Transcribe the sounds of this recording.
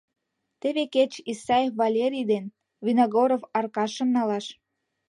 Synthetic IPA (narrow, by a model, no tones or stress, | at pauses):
t̪eβeket͡ɕisɑjefvɑlʲeɾʲijd̪en | βinoɣoɾofɑrkɑʃə̆mnɑlɑʃ